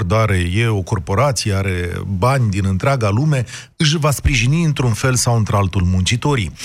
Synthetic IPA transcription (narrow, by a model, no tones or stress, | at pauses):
rd̪aɾe̞je̞o̞ko̞rpo̞ɾat̪sijeaɾe̞banʲd̪inɨnt̪ɾeaɡalume̞ | ɨʃ̬vaspɾiʒiniɨnt̪ɾunfe̞lsawɨnt̪ɾealt̪ulmunt͡ʃit̪o̞ɾḭ